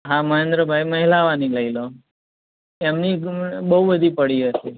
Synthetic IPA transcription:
ɦãməɦend̪ɾəbʱajməɦilaʋaniləilo | emnibəɦubəd̪ʱipəɽiɦəʃe

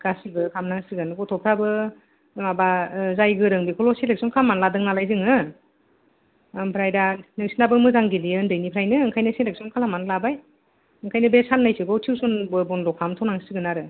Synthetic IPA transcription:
ɡ̥asiɡɯkʰamnaŋsɯɡɯnɡɔtʰɔpʰɾabɯ | mabazajɡɯɾɯŋbikʰɔlɔselek̚sɔnkʰalamanladɯŋnalajzɯŋɯ | pʰɾajdanɯŋsinabɯmɯzaŋɡiliɯndɯjnipʰɾajnɯːŋkʰajnɯsenlek̚sɔnkʰalamanlabaj | ɯŋkʰajnɯbesanːajsɯɡɔwtʰiwsɔnbɯbɔndɔkʰamtʰɔnaŋsɯɡɯnaɾɯ

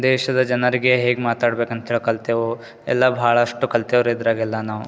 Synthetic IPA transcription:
d̪eːʃɐd̪ɐd͡ʒɐnɐɾiɡeɦeːɡmaːt̪aːɽbeːkɐnt̪ɐɦeɭoːkɐlt̪jɐʋɾu | ɛ̰lːɐbʱaːɭɐːʂʈukɐlt̪jɐʋɾid̪ɾaːɡilːɐnaːʋu

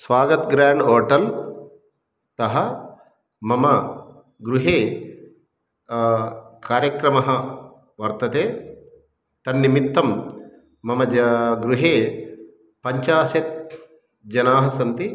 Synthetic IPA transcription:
sʋaːɡɐt̪ɡɾaːɳɖoːʈɐl | t̪ɐɦɐ | mɐmɐ | ɡɾuɦeː | kaːɾjɐkɾɐmɐɦɐ | ʋɐɾt̪ɐt̪eː | t̪ɐnːimit̪ːɐmː | ɐmɐɡɾuɦeː | pɐɲt͡ʃaːʃet̪̚ | d͡ʒɐnaːɦɐsɐnt̪i

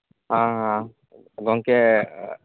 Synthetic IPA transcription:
ɦãɦã | ɡɔŋkɛ

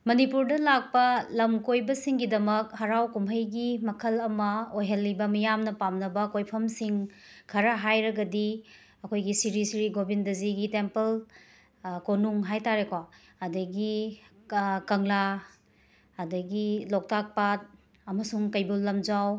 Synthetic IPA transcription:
mɐnipuɾdɐlak̚pɐlɐmkojbɐsiŋɡidɐmɐk̚hɐɾawkumɦɐjɡimɐkʰɐlɐmɐojɦɐlːibɐmijamnɐpamnɐbɐkojpʰɐmsiŋkʰɐɾɐɦajɾɐɡɐdi | ɐkʰojɡisiɾisiɾiɡobindɐziɡitempel | konuŋɦajtaɾekwa | ɐdɐɡi | kɐŋla | ɐdɐɡilɔk̚tak̚pat̚ | ɐmɐsuŋkɐjbulːɐmd͡ʒaw

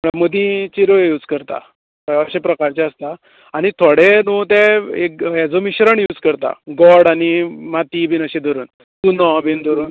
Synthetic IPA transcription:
məɽaməd̪ĩt͡ɕiɾojuːd͡zkəɾt̪a̰ | əəɕepɾəkaɾt͡ɕɛəst̪a | aɽ̃it̪ʰoɽenut̪ɛekjɛd͡zomiɕɾəɳjuːd͡zkəɾt̪a̰ɡɔɽanimat̪ibʱiːnəɕẽd̪əɾuːn | t̪unɔbind̪ʱəɾuːn

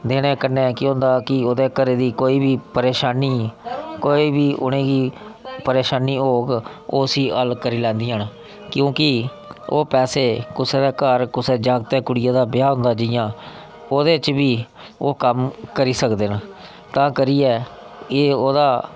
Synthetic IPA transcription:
d̪eːɽ̃ẽːkənːekɪʊ̃nd̪aːkɪoːd̪eːkəɾeːd̪iːkoːiːbiːpəɾeːʃaːniːkoːiːbiːʔʊnẽːɡiːpəɾeːʃaːniːoːɡ | oːsiːəlkəɾiːlɛ̃ːnd̪iːaːn | kjõːkɪ | oːpɛːseːkʊseːd̪eːkəɾkʊseːd͡ʒãːɡt̪eːkʊɽɪjãːd̪aːbjaːɦʊ̃nd̪aːd͡ʒɪjãː | oːd̪eːt͡ʃbiː | oːkəmkəɾiːsəkd̪eːn | t̪ãːkəɾiːɛː | eːoːd̪aː

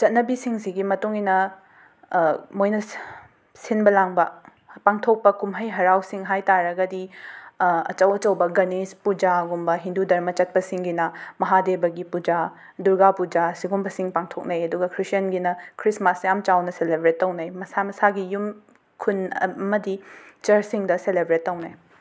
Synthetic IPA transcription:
t͡ʃɐt̚nɐbisiŋsiɡimɐtuŋinɐ | mojnɐ | sinbɐlaŋbɐ | paŋtʰok̚pɐkumɦɐjɦɐɾawsiŋɦajtaɾɐɡɐdi | ɐ̰t͡ʃɐwɐt͡ʃɐwbɐɡɐnispud͡ʒaɡumbɐɦindudɐɾmɐt͡ʃɐt̚pɐsiŋɡinɐmɐɦadebɐɡipud͡ʒa | duɾɡapud͡ʒasiɡumbɐsiŋpaŋtʰok̚nɐjɐduɡɐkʰɾisjɐnɡinɐkʰɾismasjamt͡ʃawnɐselebɾetːɐwnɐjmɐsamɐsaɡijum | kʰunɐmɐdit͡ʃɐɾsiŋdɐselebɾetːɐwnɐj

